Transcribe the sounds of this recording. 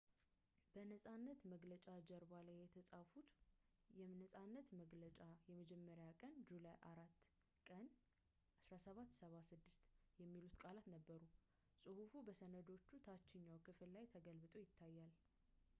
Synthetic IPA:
b̥ənəsʼanːət̪məɡlət͡ʃʼad͡ʒɛɾbalajɛt̪ʰəsʼafut̪ | jɛmnəsʼanːət̪məɡlət͡ʃʼajɛməd͡ʒɛmːəɾjakʼənd͡ʒulajʔaɾat̪ː | kʼən | ʔasɾasəβat̪ːsəβasɨd̪ːɨst̪jɛmːilut̪kʼalat̪nəbːəɾu | sʼɨhufubəsənəd̪o̞t͡ʃːut̪ʰat͡ʃːɪɲːawkʰɨfɨllajt̪ʰəɡəlβɨt̪ʼo̞jɪt̪ʰːajːal

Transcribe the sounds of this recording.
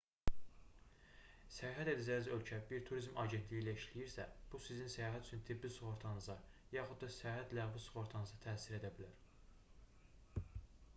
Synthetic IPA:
sæjɑɦæt̪e̞d̪æd͡ʒænizø̞lcʰæbiɾt̪ʰuɾizmɑɟe̞nt̪lijiːlæiʃlijiɾsæb̥usizinsæjɑːɦæt̪ʰy̥t͡ʃʰynt̪ʰibːisuχoɾt̪ʰɑnɯzɑjɑːχud̪d̪ɑsæjɑːɦæt̪læɣvisu̥χoɾt̪ʰɑnɯzɑt̪ʰæːsiɾe̞d̪æbilæɾ

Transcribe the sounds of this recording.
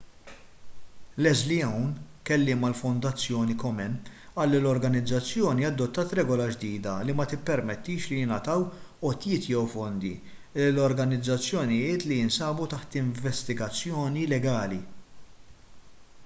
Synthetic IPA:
lɛzliɛwn | kɛlːɪːmɐlfɔnd̪ɐt͡sːjɔːnikɔmɛnɐːlːilɔɾɡɐnɪd͡zːɐt͡sːjɔːniɐd̪ːɔt̪ːɐːt̪ɾɛːɡɔlɐd͡ʒd̪iːd̪ɐlimɐt̪ɪpːɛɾmɛt̪ːiːʃlijɪnɐt̪ɐwɔt̪jɪːt̪jɛwfɔnd̪ḭ | lɔɾɡɐnɪd͡zːɐt͡sːjɔnɪjɪːt̪lijɪnsɐːbut̪ɐħt̪ɪɱvɛst̪ɪɡɐt͡sːjɔːnilɛɡɐːli

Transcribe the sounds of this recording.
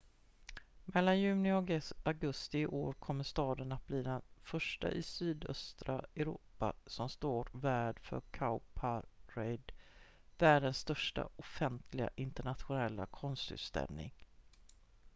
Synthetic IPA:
mɛlːanjʉ̟ːnɪɔaɡɵst̪ɪʔoːɾkʰɔmːəʂt̪ɑːd̪ənat̪̚bliːd̪ɛnfœʂʈa̰ʔɪsyːd̪œ̰st̪ɾaɛɾṵːpa̰sɔmst̪oːɾvæːɖfœ̰ɾkʰaʊpʰaɾɛjd̪ | væːɖənsːt̪œʂʈa̰ɔfɛnt̪ʰlɪɡa̰ʔɪnt̪əɳat̪ɧʊnɛlːa̰kʰɔnst̪ʉ̰ːt̪st̪ɛ̰lnɪ̰ŋ

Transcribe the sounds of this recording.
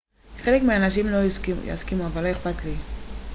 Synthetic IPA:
χelekmianaʃimlokja̰skimuavalːo̞eχpatli

